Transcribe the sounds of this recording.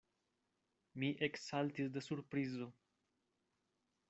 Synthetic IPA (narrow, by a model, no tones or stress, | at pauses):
miʔeksalt̪isd̪əsuɾpɾizo